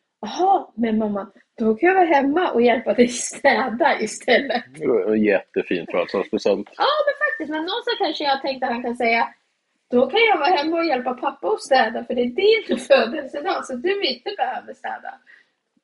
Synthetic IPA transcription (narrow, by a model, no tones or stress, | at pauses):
ahɑmɛnmamːa | d̪̥ɔkʰanjaːɡvɑːɦɛmːaʔɔjɛlpad̪ɛjst̪ʰɛːd̪aʔɪst̪ʰɛlːət̪ɛnjɛt̪ːəfḭːnt̪ɾa̰sɔsbəsɛnt̪ɑːmɛnfak̚t̪ɪst̪mɛnːɔnst̪akʰanʂəjat̪ʰɛŋk̚t̪əhankʰansɛjːa | d̪̥ɔkʰanjɑːɡvɑːhɛmːaɔjɛlpapʰapːaɔst̪ɛːd̪afœɖɛːɖɪnføːd̪əlsɪd̪asɔd̪ɵɪnt̪əbɛhøːvəst̪ɛ̰ːd̪a̰